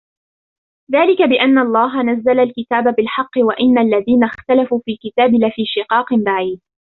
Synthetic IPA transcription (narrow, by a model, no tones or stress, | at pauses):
ðaːlɪkabɪʔanːaʔɑlˤːɑːɦanazːalalkɪt̪aːbabɪlħɑqːɨwaʔɪnːalːaðiːnaxt̪alafuːfiːlkɪt̪aːbɪlafiːʃɪqɑːqɨmbaʕiːd̪̚